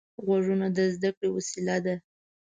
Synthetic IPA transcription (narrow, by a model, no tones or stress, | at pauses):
ɣwaʐunad̪əzd̪akɽewasilad̪a